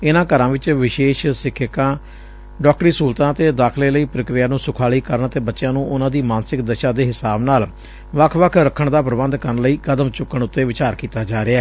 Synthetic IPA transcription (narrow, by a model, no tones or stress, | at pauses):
ɪnãːkəɾãːʋɪt͡ʃʋɪʃeːʃsɪkʰːɪkãː | ɖɔːk̚ʈɾiːsuːlt̪ãːt̪eːd̪aːkʰleːləiːpɾəkɾɪjaːnũːsʊkʰaːliːkəɾəɳt̪eːbətːʃjãːnũːʔʊnãːd̪iːmaːnsɪkd̪əʃãːd̪eːɦɪsaːbnaːl | ʋəkʰʋəkʰɾəkʰːəɳd̪aːpɾəbənd̪kəɾənləiːkəd̪əmt͡ʃʊkːəɳʊt̪ːeːʋɪt͡ʃaːɾkiːt̪aːd͡ʒaːɾɪaɛː